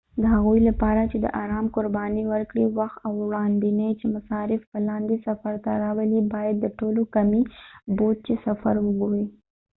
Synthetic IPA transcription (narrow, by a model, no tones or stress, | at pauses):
d̪əɦaɣuilapɑɾat͡ʃed̪ə̰ʔaːɾɑːmkʊɾbɑniwəɾkɽiwaxt̪awɽɑnd̪inat͡ʃemasɑɾɪfpəlɑnd̪esafaɾt̪aɾɑwəlibɑjad̪ːəʈolokamibod̪̚t͡ʃesafa̰ɾwʊɡoɾi